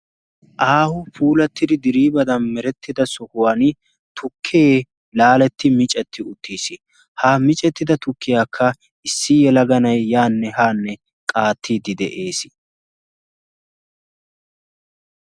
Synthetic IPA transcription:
ʔaːhʊpʰuːlɐt̪ːɪd̪ɪd̪ɪɾiːbɐd̪ɐnmɛɾɛt̪ːɪd̪ɐsɔhʊwan | t̪ʊkʰːeː | laːlɛt̪ːɪmɪt͡ʃʼɛt̪ʰːɪʊt̪ːiːsɪ | haːmɪt͡ʃʼɛt̪ːɪd̪ɐt̪ʊkːɪjaːkʰːɐ | ɪsːɪjɛlɐɡɐnɐjːaːnːɛhaːnːɛ | kʼaːt̪ʰːiːd̪ɪd̪ɛʔe̞ːsɪ̥

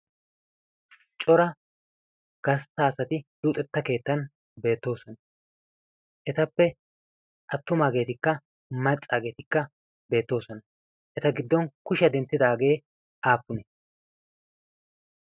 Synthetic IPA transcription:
t͡ʃʼɔɾɐ | ɡ̥ɐst̪aːsɐt̪ɪluːt̪ʼɛt̪ːɐke̞ːt̪ːɐn | be̞ːt̪ːo̞ːsɔnɐ | ʔɛt̪ɐpːɛ | ʔɐt̪ːʊmaːɡe̞ːt̪ɪkːɐ | mɐt͡sʼːaːɡe̞ːt̪ɪkːɐ | be̞ːt̪ːo̞ːsɔnɐ | ʔɛt̪ɐɡɪd̪ːɔnkʊʃɐd̪ɛnt̪ːɪd̪aːɡe̞ː | ʔaːpːʊnɛ

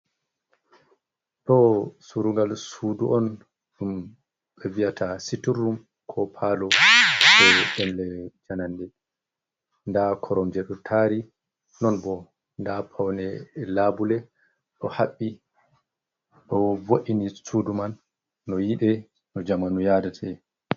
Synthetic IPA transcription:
ɗɔsuɾuŋɡalsuduʔɔn | ɗum | ɓɛvijatʰasiturːum | kʰɔpʰalɔɓɛɗɛnlɛd͡ʒanandɛ | ndakʰɔɾɔmd͡ʒɛɗɔtʰaɾi | nɔnbɔ | ndapʰawnɛlabulɛ | ɗɔhaɓːi | ɗɔvoʔinisudumanː | ɔjiɗɛ | nɔd͡ʒamanujadatʰɛ

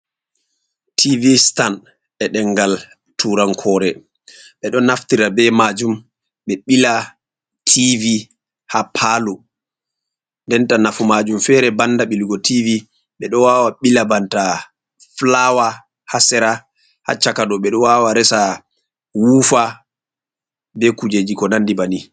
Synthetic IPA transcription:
tʰivistan | ɛɗɛŋɡal | tʰuɾaŋkʰɔːɾɛ | ɓɛɗɔnːaftiɾabɛmad͡ʒum | ɓɛɓila | tʰivi | hapʰalu | ndɛntanafumad͡ʒumfɛɾɛbandaɓiluɡɔtʰivi | ɓɛɗɔwawaɓilabanta | flawa | hasɛɾa | ha̰t͡ʃakaɗɔɓɛɗɔwawaɾɛsa | wufa | bɛkud͡ʒed͡ʒikɔnandibani

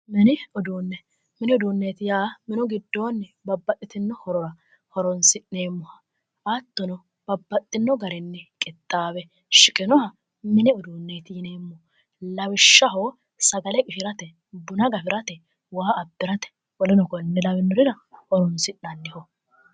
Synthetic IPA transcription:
mɛnɪɔd̪uːnːɛ | mɪnɪɔd̪uːnːeːt̪ɪjaːmɪnɔɡɪd̪ːo̞ːnːɛbɐbːɐtːɪt̪ɪnːɔhɔɾɔɾɐ | hɔɾɔnsɪnneːmːɔhɐ | ɐt̪ːɔnɔ | b̥ɐbːɐt̪ʼːɪnːɔɡɐɾɪnːɛkʼɪt̪ʼːaːbɛ | ʃɪkʼɪnɔhɐ | mɪnɪɔd̪uːnːeːt̪ɪjɪneːmːɔ | lɐwɪʃːɐɦoː | sɐɡɐlɛkʼɪʃɪɾɐt̪ɛ | bʊnɐɡɐfɪɾɐt̪ɛ | waːɐbːɪɾɐt̪ɛ̥ | wɔlɛnɔkɔnːɛlɐwɪnːɔɾɪɾɐ | hɔɾɔnsɪnːɐd̪ːɪhɔ

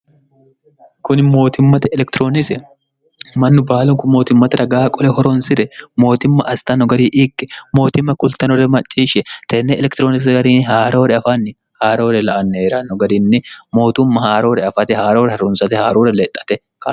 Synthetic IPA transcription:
kʊnɪmo̞ːt̪ɪmːɐt̪ɛɛlɛkt̪ɾoːnɪsɛ | mɐnːʊbaːlʊŋkʊmːo̞ːt̪ɪmːɐt̪ɾʔɐɡaːkʼɔlɛhɔɾɔnsɪɾɛmo̞ːt̪ɪmːɐʔɐst̪ɐnɔɡɐɾiːʔɪkʼːɛ̥mo̞ːt̪ɪmːɐkʊlt̪ɐnɔɾɛmɐt͡ʃʼːiːʃɛt̪ɛːnːɛʔɛlɛkt̪ɾoːnɪs̬ɡɐɾiːnɪɦaːɾoːɾɛɐfanːɪ | haːɾoːɾɛlɐʔɐnːeːɾanːɔɡɐɾiːnːɪmo̞ːt̪ʊmːɐhaːɾoːɾɛɐfɐt̪ɛhaːɾoːɾɛhɐrʊnsɐt̪ɛhaːɾoːɾɛleːt̪ʼːɐ̥t̪ɛ | kaː

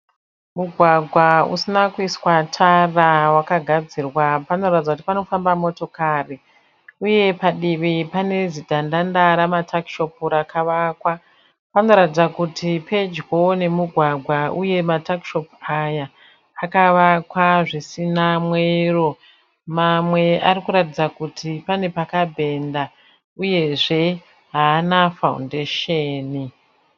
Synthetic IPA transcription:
muɡʱwaɡʱwaṵsinakuiswatʰarawakaɡʱad͡zirwapano̞ratid͡zakutipano̞fambamo̞to̞kari | uje̞paɗiʋipane̞zidʱandandaɾamatʰakʃo̞puɾakʰaʋakwa | pano̞ɾatid͡zakutʰipʰe̞d͡ʒɡo̞ne̞muɡʱwaɡʱwaʔuje̞matakʃo̞pajaː | kaʋakwaʐisinamwero̞ | mamwe̞ʔaɾikuɾatid͡zakutʰipane̞pakabʱe̞nda | uje̞ʐe̞ | ɦaːnafaṵndeʃeːni

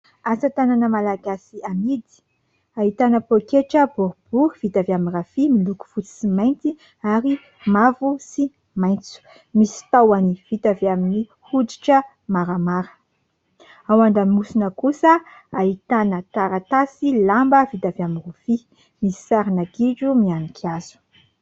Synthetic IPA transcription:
asət̪ananəmalaɡasiamid̪i̥ | aɦit̪anəpokeʈ͡ʂəbuɾub̥uv̥it̪aviaminrafimiluku̥fut͡si̥simajnt̪i | aɾi | mavusi | majnt͡su̥ | misi̥t̪awaniv̥it̪aviamini | hudi̥ʈ͡ʂə | maɾamaɾə̥ | awaɳɖ͡ʐamimusinəkusəaɦit̪anət̪aɾat̪asilambəvit̪aviamirufi | misi̥saɾinaɡiɖ͡ʐumianikʰiazu̥

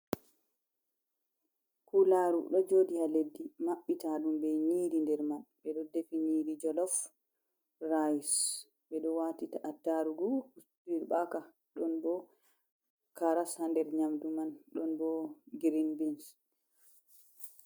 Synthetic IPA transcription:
kulaːɾṵɗɔd͡ʒoːdihaledːimaɓːitaɗumbɛɲiːɾindɛɾmanɓɛɗɔdefiniːɾid͡ʒɔlɔf | rajis | ɓɛɗɔwatitaʔatːaɾuɡuhustiɾɓaka | ɗɔnbɔ | kaɾashandɛɾɲamdumanɗɔnbɔɡiɾinbins

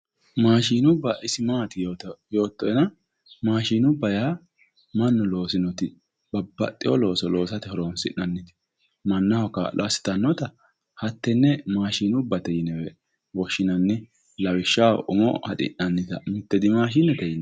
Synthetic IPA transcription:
maːʃiːnʊbːɐʔɪsɪmaːt̪ɪjo̞ːt̪ːɔɛnɐ | maːʃiːnʊbːɐjaː | mɐnːɔlo̞ːsɪnɔt̪ɪ | b̥ɐbːɐ̰t̪ʼːɪwɔ̰lo̞ːsɔlo̞ːsɐt̪ɪhɔɾoːnsɪ̰ʔɐnːɪt̪ɪ̥ | mɐnːɐhɔka̰lɔɐsɪ̥t̪ɐnːɔt̪ɐ | hɐt̪ːɛnːɛmaːʃiːnʊbːɐt̪ɛjɪnɛwɛ | wɔʃːɪnɐnːɪ | lɐwɪʃːaːwʔʊmɔ̰hɐ̰t̪ʼɪ̰ʔɐnːɪt̪ɐmɪt̪ːɛd̪ɪmaːʃ̬iːnːɛt̪ɛjɪnɛ

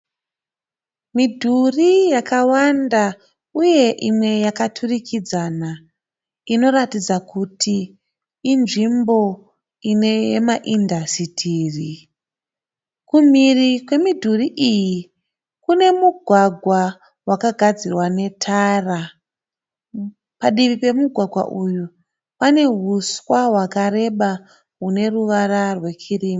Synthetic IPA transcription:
midʱurijakawanda | uje̞ʔimwe̞jakatʰurikʰid͡zana | ino̞ɾatid͡zakutʰiː | nʐimbo̞ | ine̞jemaʔindʱasitʰiːri | kumirikwe̞midʱuriʔiji | kune̞muɡʱwaɡʱwa | wakaɡʱad͡zirwane̞tʰara | paɗiʋipe̞muɡʱwaɡʱwa̰ʔuju | pane̞ɦuswaɦwakaɾe̞ɓa | ɦune̞ruʋaɾarwe̞kʰiriːma

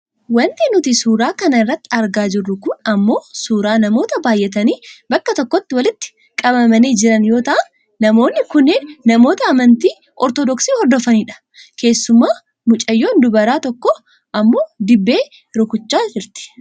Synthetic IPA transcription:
wɐnt̪ɪnʊt̪isuːɾaːkɐnɐɪrːɐt̪ːɪ̥ɐɾɡaːd͡ʒɪrːʊkʊnɐmːo̞ːsuːɾaːnɐmo̞ːt̪ɐbaːjʔɛt̪ɐniːbɐkːɐt̪ɔkːɔt̪ːɪwɐlɪt̪ːɪ̥ | kʼɐbɐmɐniːd͡ʒɪɾɐnjo̞ːt̪ɐʔɐn | nɐmo̞ːnːɪkʊnːeːnːɐmo̞ːt̪ɐːmɐnt̪iː | ʔɔɾt̪ɔd̪ɔksiːhɔɾd̪ɔfɐniːᶑɐ̥ | ke̞ːsːʊmaː | mʊt͡ʃʼɐjːo̞ːnd̪ʊbɐɾaːt̪ɔkːɔ | ʔɐmːo̞ːd̪ɪbːe̞ː | ɾʊkʊt͡ʃːaːd͡ʒɪɾt̪ɪ̥

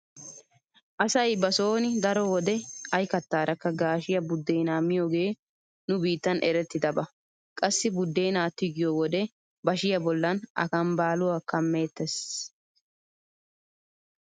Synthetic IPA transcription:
ʔɐsɐjbɐsoːnɪd̪ɐɾɔwɔd̪ɛɐjkɐt̪ːaːɾɐkːɐɡaːʃɪjɐbʊd̪ːejnaːmːɪjoːɡe̞ː | nʊbiːt̪ːɐnʔɛɾɛt̪ːɪd̪ɐbɐ | kʼɐsːɪbʊd̪ːeːnaːt̪ːɪɡɪjowɔd̪ɛ | bɐʃɪjɐbɔlːɐnɐ̰kɐmbaːlʊwakɐmːe̞ːt̪ːɛs

